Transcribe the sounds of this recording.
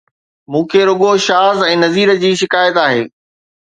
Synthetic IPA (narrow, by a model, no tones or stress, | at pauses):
mũːkʰeɾʊɠoʃaːzɛ̃ːnɐziːɾə̆d͡ʑiːʃɪkaːjət̪aːɦḛː